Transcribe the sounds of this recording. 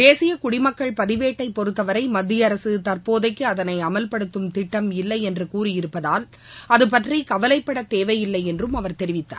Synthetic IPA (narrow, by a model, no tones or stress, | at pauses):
d̪eːsɪjɐkʊɽɪmɐkːɐɭpɐðɪʋeːʈːɐɪpːɔɾɯt̪ːɐʋɐɾɐɪmɐd̪ːɪjɐɾɐsɯt̪ɐrpoːðɐɪkːɯɐðɐnɐɪɐmɐlpɐɽɯt̪ːɯmt̪ɪʈːɐmɪlːɐɪɛndrɯkuːɾɪjɪɾɯpːɐðaːl | ɐðɯp̬ːɐʈrikɐʋɐlɐɪpːɐɽɐt̪eːʋɐɪjɪlːɐɪɛndrɯmɐʋɐɾt̪ɛɾɪʋɪt̪ːa̰ːɾ